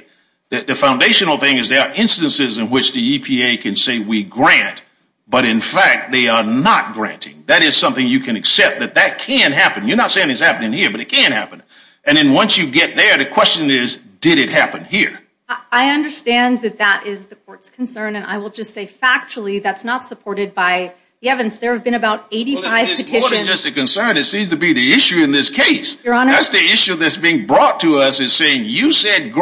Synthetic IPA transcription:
ðɨðɨfãʊ̃ndeɪʃɨnl̩ˠθɪ̃ŋɨzðeɪə˞ʔɪ̃nstɨ̃nsɨzɨ̃nwɪt͡ʃðiipʰieɪkʰɨ̃nseɪwiɡɹæ̃nt | b̥ʌɾɨ̃nfæk̚t̪̚ðeɪə˞nət̚ɡ̥ɹæ̰̃ntʰɪ̰̃ŋðɨɾɪz̥sʌ̃mθɪ̃ŋjɨkʰɨ̃nɨksɛp̚t̪̚ðɨt̪̚ðɨt̚kʰɨ̃nɦæpɨ̃njə˞nətseɪɪ̃ɪ̃z̥hæpənɪ̃ŋhiɹbʌɾɨt̚kʰɨ̃nhæ̰pɨ̃n | ʔɨ̃nðɨ̃nwʌ̃nsjɨɡɛt̪̚ðə˞ðɨkʰw̥ɛst͡ʃɨ̃nɪz | d̥ɪɾɨt̚hæpɨ̃nhiɹ | aɪʌ̃ndə˞stæ̃nðɨt̪̚ðəɾʔɪzðɨkʰɔɹtskʰn̩sɜ̃˞nɨ̃na̰ɪwəlˠd͡ʒʌstseɪfæk̚t͡ʃl̩ˠiðætsnətsəpʰɔɹɾɨd̚baɪ | ðiɛvɨ̃n̩tsðə˞ɨvbɨ̃ñɨbaʊɾeɪɾifaɪvpɨtʰɪʃɾɨ̃d͡ʒʌstɨkɨ̃nsɜ̃˞nɨtsĩmz̥tʰəbiðiɪʃʉɨ̃nðɪskʰeɪsjə˞ɑnðætsðiɪʃʉðɨtsb̥iɪ̃ŋbɹɔtʰəʌsɨz̥seɪɪ̃ŋjɨsɛd̚ɡ

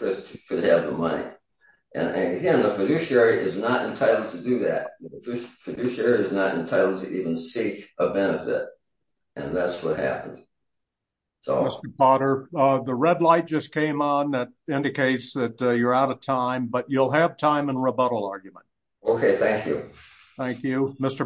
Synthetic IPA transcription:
pʰɹ̥ɪstkɨdɨvðəmʌnḭ | ʔɨ̰̃nɨ̃nɨɡɛ̃nðəfɨdʉʃiɛɹiʔɪznəɾɨ̰̃ntʰaɪɾl̩d̚ˠtʰɨdɨðæ̰t̚n̩ðəfʉʃfɨdʉʃiɛɹiɨznəɾɨ̰̃ntʰaɪɾl̩̚ˠtʰɨʔivə̃nsikəbɛnɨfɪ̰t̚ | ʔɨ̰̃nðætswʌt̚hæ̰pə̃n̩d̥ | so̰ʊmɪstə˞pɑɾə˞ðəɹɛdˡlaɪt̚d̥ʒ̥ʌskʰẽɪ̃mə̃n̩ðɨɾ | ɪ̃ndɨkeɪtsðɨt̚ə˞aʊɾʌv̥tʰãɪ̃mbʌt͡ʃulˠɨv̥tʰãɪ̃mə̃nɹəbʌɾl̩ˠɑɹɡjmə̃nt̚ | oʊkʰeɪθæ̃ŋkʰjʉ̰θæ̃ŋkjʉmɪstə˞

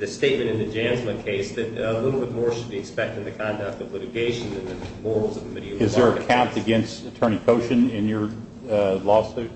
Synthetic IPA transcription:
ðɨsteɪt̚mɨ̃ɾ̃ɨ̃nðɨd͡ʒæ̃nzmɨ̃nkʰeɪsðɨɾəlɪɾl̩ˠbɪt̚mɔɹʃɨd̚biɨkspɛk̚tɪ̃ŋ̩ðɨkʰɑ̃ndək̚tʌvlɪɾɨɡeɪʃɨ̃n̩ðɨ̃nðɨmɔɹl̩ˠzʌv̥ʰmɪɾiɨvɨzðə˞ɨkʰæ̃mtɨɡɛ̃nstɨtʰɜ̃˞ɾ̃ikʰoʊʃɨ̃nɪ̃njə˞ | lɔsʉ

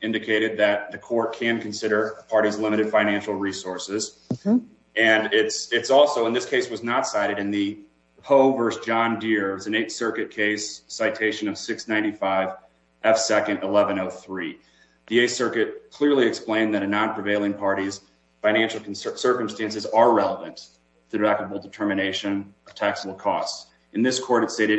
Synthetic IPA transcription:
ʔɪ̃ndɨkʰeɪɾɨd̪̚ðɨt̪̚ðɨkʰɔɹt̚kʰɨ̃nkʰɨ̃n̩sɪɾə˞pʰɑɹɾizlɪ̃mɨɾɨd̥fãɪ̃ñæ̃nʃl̩ˠɹisɔɹsɪz | ɨ̃nɪtsɪtsɔlˠsoʊə̃nðɪskʰeɪswʌznətsaɪɾɨɾɨ̃nðɨ | pʰoʊvɜ˞sd̥ʒ̥ɑ̃ndɪɹwʌzɨ̃n̩eɪtsɜ˞kɨt̚kʰeɪsːaɪtʰeɪʃɨ̃nʌv̥sɪksnãɪ̃ntifaɪv | ʔɛfsɛkɨ̃ndəlɛvɨ̃noʊθɹi | ðieɪtsɜ˞kɨt̚kʰl̥ɪɹlˠiɨksplẽɪ̃nðɨɾɨnɑ̃npʰɹ̥ɨveɪlˠɪ̃ŋpʰɑɹɾiz̥ | fãɪ̃ñæ̃nʃl̩ˠkʰn̩ssɜ˞kə̃m̩stæ̃nsɨzə˞ɹɛlˠəvɨ̃nt | tʰɨdæk̚təbl̩ˠdɨtʰɜ˞mɨñeɪʃɨ̃nʌv̥tʰæksəl̩ˠkʰɔ̰st | ɨ̃nðɪskʰɔɹɾɨtsteɪɾɨ

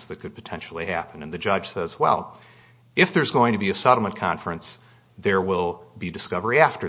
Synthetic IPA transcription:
zðɨt̚kʰɨd̚pʰɨ̥tʰɛ̃nʃl̩ˠihæpɨ̃nɨ̃nðɨd͡ʒʌd̥ʒ̥sɛzwɛ̰lˠ | ɨfðə˞zɡoʊɪ̃ŋtʰɨbiɨsɛɾl̩ˠmə̃nkʰɑ̰̃ɱfɹɨ̃ns | ðə˞wɪlˠbidɨskʌvə˞iæftə˞

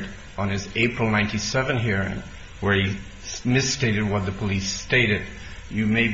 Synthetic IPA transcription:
ɾ | n̩ɨzeɪpʰɹl̩ˠnãɪ̃ntisɛvɨ̃nɦiɹɪ̰̃ŋ | wə˞i | mɨsteɪɾɨd̚wʌt̪̚ðɨpʰəlisteɪɾɨd̥̚ | jɨmeɪ

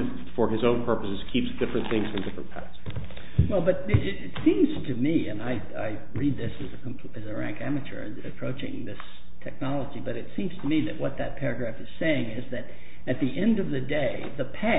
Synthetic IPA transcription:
fə˞ɨzõʊ̃npʰɜ˞pəsɨz̥kʰipsd̥ɪfɹɨ̃nθɪ̃ŋz̥fɹʌ̃mdɪfɹə̰̃npʰæ̰θ | wɛlˠbʌɾ | ɪtsĩmz̥tʰɨmiɨ̰̃naɪ | a̰ɪ | ɹid̪̚ðɪsɨzɨkʰmpʰɨzɨɹæ̰̃ŋkæmɨt͡ʃə̰˞ɨ̰ | ɨpʰɹ̥oʊt͡ʃɪ̰̃ŋðɪs | tʰɛk̚nɑlˠəd͡ʒibʌɾɨtsĩmz̥tʰɨmiðɨʔ̚wʌt̪̚ðɨt̚pʰɛɹɨɡɹæfɨz̥seɪɪ̃ŋɪzðɨɾ | ɨt̪̚ðiʔɛ̃ndʌvðɨdeɪðəpʰæ

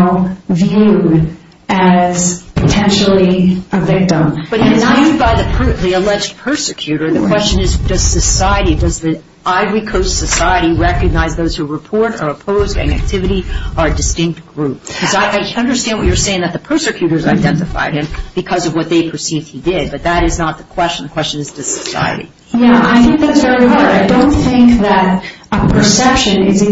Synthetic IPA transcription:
vjʉɾ | ɨz̥pʰɨtʰɛ̃nʃl̩ˠiəvɪk̚tə̃mb̥ʌɾ̃̚nãɪ̃d̚baɪðɨpʰəðiɨlɛd͡ʒpʰɜ˞sɨkʰj̥ʉɾə˞ðɨkʰw̥ɛst͡ʃɨ̃nɨzdʌz̥sɨsaɪɨɾidʌzði | aɪɹikʰoʊstsɨsaɪɨɾiɹɛkɨɡ̚naɪzðoʊz̥huɹɨpʰɔɹɾə̰˞əpʰoʊzdɨ̰̃næ̰k̚tʰɪvɨɾiə˞ɨdɨstɪ̃ŋk̚t̚ɡ̥ɹup̚ʰʌzaɪʔaɪʌ̃ndə˞stæ̃nd̚wʌt͡ʃə˞seɪɪ̃ŋðɨt̪̚ðəpʰɜ˞sɨkʰj̥ʉɾə˞zaɪdɛ̃ntɨfa̰ɪd̚ɨ̃mb̥ɨkʰʌzʌvwʌt̪̚ðeɪpʰə˞sivd̚idɪd̚bʌt̪̚ðɨɾɨznət̪̚ðəkʰw̥ɛst͡ʃn̩ðəkw̥ɛst͡ʃɨ̃nɨzdɨsɨsa̰ɪɨ̰ɾḭ | jæaɪθɪ̃ŋk̚ðætsvɛɹiɦɑɹɾaɪdõʊ̃nθɪ̃ŋkðɨɾ | əpʰə˞sɛpʃɨ̃nɪz

